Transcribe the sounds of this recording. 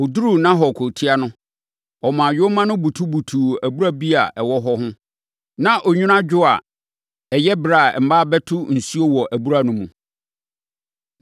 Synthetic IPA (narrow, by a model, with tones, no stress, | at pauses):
ɔ˨du˦ɾu˦˨nã˦ɦɔ˨kʰo˨tʰi˦a˦nʊ̃˦ | ɔ˨mã˨jʊ˦mã˦nʊ̃˦bu˨tʰu˦bu˨tʰuː˨æ˨bu˦ɾa˦bi˦a˨ʔɛ˨wɔ˦ɦɔ˦ɦʊ̃˦ | nã˦ʔɔ˨ɲᶣʊ̃˦nã˦d͡ʑᶣʊ˦a˨ | ɛ˨jɛ˦bɾa˨ɛ˨m̩˨ba˦bɛ˦tʰʊ˦n̩˨su˦o˦wɔ˨ʔæ˨bu˦ɾa˨nʊ̃˦mũ˨